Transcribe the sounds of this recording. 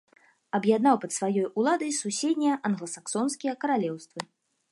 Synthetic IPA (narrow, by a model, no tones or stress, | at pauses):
ɐbjad̪nawpɐt̪svajɔjulˠad̪ɐjsusʲed̪ʲnʲijɐʔɐnɣlˠɐsaksɔnskʲijɐkɐɾalʲɛwst̪vɨ